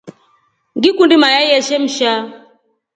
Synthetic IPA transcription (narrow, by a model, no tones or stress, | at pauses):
ŋɡikundimajaiɛʃɛm̩ʃa